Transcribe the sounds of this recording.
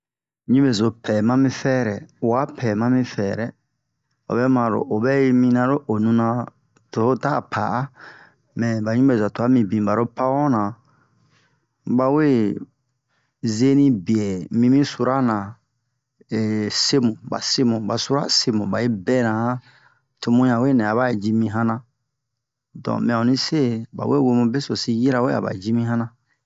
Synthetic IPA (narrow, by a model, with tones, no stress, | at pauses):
ɲĩ˦me˨zo˨pɛ˨mã˦mĩ˦fɛː˦ɾɛ˨wa˨˦pʰɛː˨mã˦mĩ˦fɛː˨ɾɛ˨ | o̰˨bɛ˦mã˨ɾo̰˨ʔo˨bɛ˦i˦mĩ˧nã˧ɾo˦ʔo˨nũ˧nã˧ | to˨ho˦taː˦˨pʰa̰˨ʔa˦ | mɛ̃˨ba˨ɲĩ˦be˨za˨to˨a˦mĩ˨bĩ˨ba˨ɾo˦pa˦wɔ̃˦nã˨ | ba˧we˦ | ze˦nĩ˦bi˨ɛ˨mĩ˧mĩ˦su˦ɾa˦nã˨ | ɛ˨se˦mũ˨ba̰˨se˦mũ˨ba˨su˦ɾa̰˦se˧mũ˨ba˨e˦bɛ˦nã˨hã˦ | to˨mũ˦jã˨we˦˨nɛ̃˨a˨ba˦˨d͡ʒi˧mĩ˧ɦã˦nã˧ | dɔ̰̃˨mĩ˨˦ã˨ũ˨nĩ˦se˦ba̰˨we˦˨we˧mũ˧be˦so˨si˧ji˦ɾa˨we˦a̰˨ba̰˨d͡ʒi˦mĩ˦ɦã˦nã˨